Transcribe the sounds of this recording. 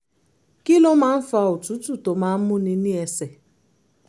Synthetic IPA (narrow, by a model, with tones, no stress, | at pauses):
ki˦lo˦ma˦n̩˦fa˦ʊ˨tu˦tu˦to˨ma˨˦mʊ˦ni˦ni˦e˨se˨